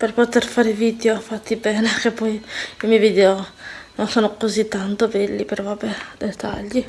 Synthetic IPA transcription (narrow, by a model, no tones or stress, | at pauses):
perpot̪erfaːɾeviːd̪eofat̪ːibɛːnekepːɔjimiviːd̪eononsoːnokozit̪ːant̪obɛlːipervabed̪et̪a̰ʎːi